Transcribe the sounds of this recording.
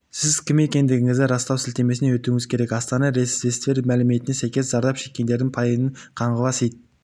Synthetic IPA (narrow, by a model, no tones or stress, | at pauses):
sɪzkʲʰɪme̞kʲe̞nd̪ɪɡʲɪŋɪzd̪ɪɾɑst̪ɑwsɪlt̪e̞me̞sɪnewɵt̪uŋɪzkʲʰe̞ɾe̞kɑst̪ɑnɑɾesest̪e̞ɾmælɪme̞t̪ɪnesɑjkʲe̞szɑɾd̪ɑpʃe̞kʲːe̞nd̪e̞ɾd̪ɪŋpʰɑjənəɴqʰɑɴʁəlˠɑsejd̪